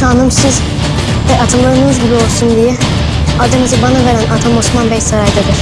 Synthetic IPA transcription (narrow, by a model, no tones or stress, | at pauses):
xanɯmsɯz | vɛʔat̪ʰɯmlˠaɾɯnɯzɟibio̞lˠsund̪ijɛ | alˠd̪ɯnɯzɯbanaveɾænʔat̪ʰamosmanbɛjsaɾajd̪ad̪ɯɾ̥